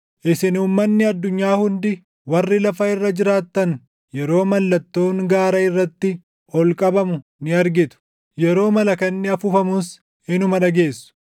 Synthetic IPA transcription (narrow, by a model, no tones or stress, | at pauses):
ʔɪsɪnuːmːɐnːɪɐd̪ːʊɲːaːhʊnd̪ɪ | wɐrːɪlɐfɐɪrːɐd͡ʒɪɾaːt̪ːɐn | jɛɾo̞ːmɐlːɐt̪ːo̞ːŋɡaːɾɐɪrːɐt̪ːɪ | ɔlkʼɐbɐmʊnɪɐɾɡɪt̪ʊ̥ | jɛɾo̞ːmɐlɐkɐnːɪɐfʊfɐmʊs | ɪnʊmɐᶑɐɡe̞ːsːʊ̥